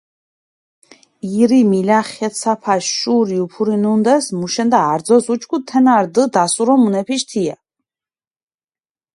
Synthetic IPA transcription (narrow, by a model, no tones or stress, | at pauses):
iɾimilaχɛt̪sapʰaʃʃuɾiupʰuɾinund̪ɛsmuʃɛnd̪aːɾd̪zɔsut͡ʃʰkʰut̪ʰɛnaɾd̪əd̪asuɾɔmunɛpʰiʃt̪ʰia